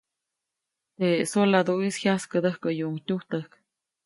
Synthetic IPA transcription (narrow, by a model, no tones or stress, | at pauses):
t̪esolad̪uishjaskəd̪əhkəjuʔŋt̪ʲuht̪əhk